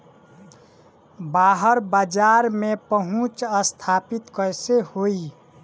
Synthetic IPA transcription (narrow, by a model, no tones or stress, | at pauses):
baɦəɾbad͡ʒaɾmepəɦũt͡ʃəst̪ʰapit̪kəjsehoi